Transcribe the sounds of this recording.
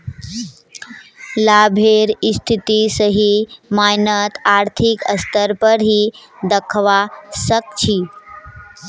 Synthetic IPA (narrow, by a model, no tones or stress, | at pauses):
labʱeɾist̪ʰit̪isəɦimajnət̪aɾt̪ʰikəst̪ʰəɾpəɾɦid̪əkʰʋasək̚t͡ʃʰi